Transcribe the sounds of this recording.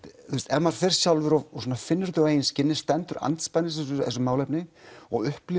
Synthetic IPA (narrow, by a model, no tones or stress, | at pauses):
θust̪ɛmaɾ̥θejɾ̥sjawlvɪɾɔɔswɔnafɪnːʏɾt̪ʏeːjnscɪnːɪ̥st̪ɛnt̪ʏɾa̰nt̪spajnɪs̬ɛsʏ̰s̬ʏmaːwlɛjpnɪɔɣʏhplɪ